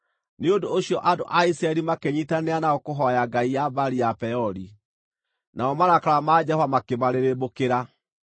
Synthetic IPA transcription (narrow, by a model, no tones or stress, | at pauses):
neondoːɕijɔʔando̰ʔaisɾaɛɾimakeɲitaneanaokoɦɔjaɡaijabaɾiapɛɔɾi | naɔmaɾakaɾamad͡ʑɛhovamakemaɾeɾebokeɾa